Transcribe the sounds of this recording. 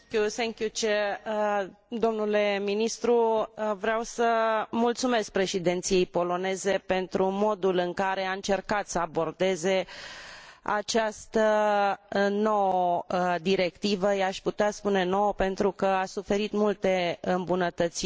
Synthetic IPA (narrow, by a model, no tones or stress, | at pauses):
kuθeŋkjut͡ʃe | d̪o̞mnule̞minist̪ɾuvɾeawsəmult̪sume̞sk̚pɾe̞ʃid̪ent̪sije̞jpo̞lo̞ne̞ze̞pe̞nt̪ɾumo̞d̪ulɨŋkaɾe̞aɨnt͡ʃe̞rkat̪səabo̞rd̪e̞ze̞ | a̰t͡ʃast̪ə | no̞wəd̪iɾe̞kt̪ivəjaʃʲput̪easpune̞no̞wpe̞nt̪ɾukəasufe̞ɾit̪mult̪e̞ɨmbunət̪ət̪si